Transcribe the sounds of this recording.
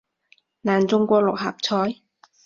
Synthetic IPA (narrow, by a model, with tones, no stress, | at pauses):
naː˨˩nt͡sʊ˧ŋkʷɔː˧lʊ˨k̚ɦa̰ː˨˩p̚t͡sʰɔː˧˥j